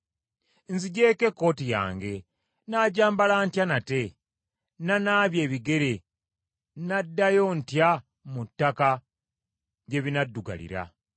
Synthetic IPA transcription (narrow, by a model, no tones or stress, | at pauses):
nziɟe̞ːke̞kːo̞ːtija̰ːŋɡe̞ | naːɟaːmbalantjanate̞ | nanaːβje̞ːβiɡe̞ɾe̞ | nadːajo̞ntja | mutːaka | ɟe̞βinadːuɡa̰lḭɾa̰